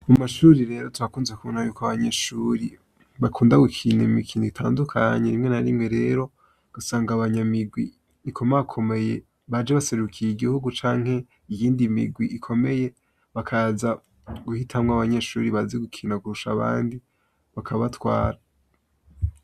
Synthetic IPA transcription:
mumaʃuɾiɾe̞ːɾo̞tuɾakuːnzekʰuβonhajuːkoaβaɲeʃuɾi | βakʰuːndaɡukʰiːnemikʰiːniɡitʰa̰ːndukʰaɲeɾimŋe̞naɾimŋe̞ɾe̞ɾo̞ | ɡ̥asaːŋɡaβaɲamiɡwiː | kʰo̞makʰo̞me̞je | βad͡ʒeβase̞ɾukʰijiɡihuɡut͡ʃaːŋ̥he̞ | ijiːndimḭɡwiʔikʰo̞me̞je̞ | βakʰaza | ɡuhitʰamŋaβaɲe̞ʃuːɾiβazeɡukʰiːnaɡuɾuʃaβa̰ːndi | βakʰaβatwaːɾa

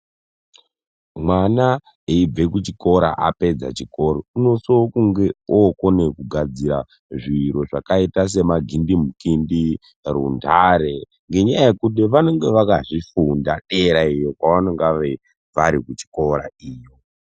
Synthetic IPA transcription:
mwana | eib͡ve̞kut͡ʃiko̞ɾa̰ʔape̞d͡za̰t͡ʃiko̞ɾouno̞sokuŋɡe̞okonekuɡʱad͡ziɾa | ʐiɾo̞ʐa̰kaitas̬e̞maɡʱindimukindi | rṵndʱaɾe̞ | ŋɡe̞ɲajajekut̬iʋano̞ŋɡe̞ʋakaʐifundaɗe̞ɾaijokwaʋanoŋɡaʋe̞ | ʋaɾikut͡ʃi̥ko̞ɾa̰iːjo

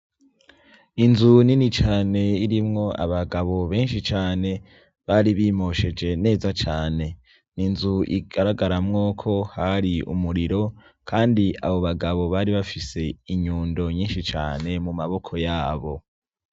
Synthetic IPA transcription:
inzuninit͡ʃaːne̞iɾimŋo̞ʔa̰βaɡaβo̞βe̞ːnʃit͡ʃaːne̞ | βaːɾiβimo̞ʃe̞d͡ʒe̞ne̞ːzat͡ʃaːne̞ | ninzuʔḭɡaɾaɡaɾamŋo̞kʰo̞haɾiʔṵmuɾiɾo̞kʰaːndia̰βo̞βaɡaβo̞βaɾiβafise̞iɲuːndo̞ɲiːnʃit͡ʃa̰ːne̞mumaβo̞kʰo̞jaːβo̞

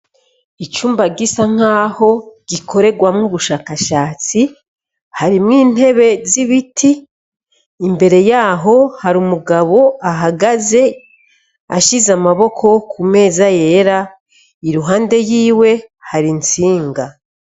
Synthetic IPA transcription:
it͡ʃuːmbaɡisaŋ̥aːho̞ɡ̥ikʰo̞ɾe̞ɡwamŋuβuʃaːkaʃaːt͡si | haɾimŋiːn̥he̞βe̞ziβitʰiː | mbe̞ɾe̞jaːɦo̞haɾumuɡaβo̞aɦaɡaze̞ | a̰ʃizamaβo̞kʰo̞kume̞ːzaje̞ːɾa | iɾuɦaːnde̞jiːwe̞haɾint͡siːŋɡa

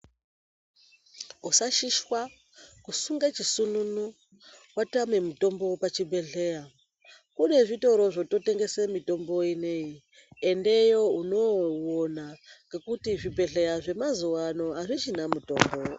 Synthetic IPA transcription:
usaʃiʃwa | kusuŋɡat͡ʃisununu | kwatame̞muto̞mbo̞pat͡ʃibʱe̞ɮe̞a | kune̞ʐito̞ɾo̞ʐo̞to̞te̞ŋɡe̞semito̞mbo̞inei | ende̞jo̞uno̞wonaŋɡe̞kutiʐibʱe̞ɮe̞jaʐe̞mazuʋano̞ɦaʐit͡ʃinamuto̞ːmbo

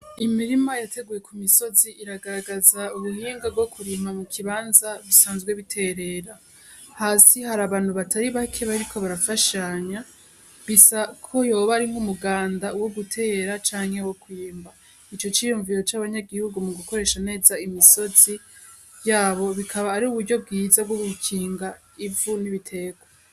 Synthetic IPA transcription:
imiɾimajate̞ɡuje̞kumiso̞ziiɾaɡaɾaɡazauβuhiːŋɡaɡo̞kuɾiːmamukʰiβaːnzaβisaːnzɡwe̞βitʰe̞ɾe̞ːɾa | haːsihaɾaːβaːn̥huβatʰaɾiβakʰe̞βaɾikʰo̞βaɾafaʃaɲa | ɡisakʰo̞joβaɾiŋ̥umuɡaːndauwo̞ɡutʰe̞ːɾat͡ʃaːŋ̥hewo̞kwiːmba | it͡ʃo̞t͡ʃijuːɱviɾo̞t͡ʃaβaɲaɡihuɡumuɡuko̞ɾe̞ːʃane̞ːzaimiso̞z̥i | jaːβo̞βikʰaβaːɾiuβuɾɟo̞b̚ɡiːzabɡoɡukʰiːŋɡa | ivuniβitʰe̞ːɡwa

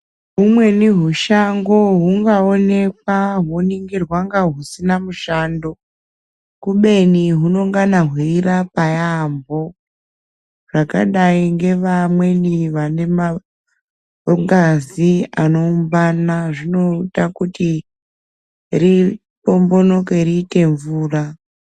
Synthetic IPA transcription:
ɦumwe̞niɦuʃaŋɡo̞ɦuŋɡao̞ne̞k̚waɦoniŋɡirwaŋɡaɦusinamuʃaːndo̞ | kuɓe̞niɦuno̞ŋɡanaɦwiiɾapajambo̞ | ʐ̥aka̰ɗaiŋɡe̞ʋamwe̞niʋane̞ma | ŋɡaziano̞umbanaʐino̞itakuti | ri | po̞mbo̞no̞ke̞ɾiːte̞ɱvuːra

